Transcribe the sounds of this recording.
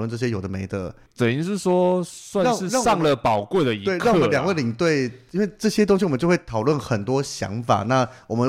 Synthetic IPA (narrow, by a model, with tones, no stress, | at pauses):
lwə˥˧nʈ͡ʂɤ˥˩ɕ̬jɛ˥jo˨˩d̪ə˦mḛ˧˥ɪd̪ə˧˦ | t͡sə˨˩i˧˥ŋʂɻ̩˥˩ʂwɔ˥swa˥˧na˥˨ŋɻ̩˥˧ɻsɑ˥˩ŋlə˨pɑ˨˩ʊkwe˥˩ɪd̪ə˨i˧we˥ɪkʰa˥˩ŋwljɑ˨˩ŋwe˥˩li˨˩ŋt̪we˥˩ɪi˥nwe˥˧ɪʈ͡ʂɤ˥˩ɕjɛ˥t̪̬ʊ˥ŋɕi˨wɔ˨˩ə˦t͡ɕo˥˧ʊwe˥˩ɪt̪ʰɑ˨˩ʊlwə˥˩nxə˨˩nt̪wɔ˥ɕjɑ̰˧˥ŋfa̰˨˩na˥˩wɔ˨˩mə˦